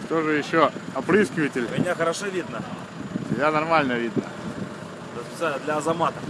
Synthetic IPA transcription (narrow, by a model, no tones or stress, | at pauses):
t̪oʐɨjɪɕːoɐpɾɨskʲɪvətʲɪlʲmʲɪnʲaxəɾɐʂovʲid̪nə | sʲɪbʲanɐrmalʲnəvʲid̪nə̰ | t̪spʲɪ̥t̪salʲəd̪lʲɐɐzɐmat̪əf